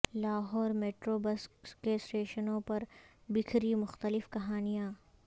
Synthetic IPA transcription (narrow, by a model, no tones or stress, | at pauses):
laːɦɔːɾmeːʈɾoːbɐskkesʈeːʃənõpɐɾbɪkʰɾimʊxt̪əlɪfkɐɦaːnijãː